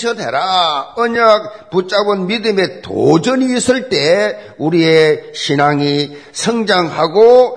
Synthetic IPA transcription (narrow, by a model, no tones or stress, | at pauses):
ɕʰʌdḛɾaʌɲak̚put͡ɕ͈abɯnmidɯme̞t̪o̰d͡ʑɯniːs͈ɯɭt͈e̞ | uɾieɕʰinaŋisʰʌŋd͡ʑaŋhaɡo